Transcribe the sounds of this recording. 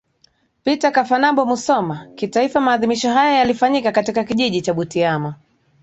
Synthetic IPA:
pitakafanambɔmusɔmakitaifamaːðimiʃɔɦajajalifaɲikakatikakiʄiʄit͡ʃaɓutiama

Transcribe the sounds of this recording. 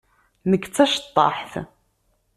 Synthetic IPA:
nəɡt͡sːæʃə̥t̪ˤːɑ̰ħθ

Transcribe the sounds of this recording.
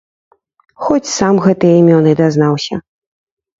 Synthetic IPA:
xɔt͡sʲsamɣɛt̪ɨjɛimʲɔnɨd̪aznawsʲɐ

